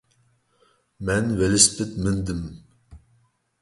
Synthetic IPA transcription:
mɛnvelɪspɪt̪mɨnd̪ɨm

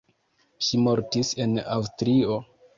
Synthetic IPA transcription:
ʃimo̞ɾtise̞na̰wstɾio

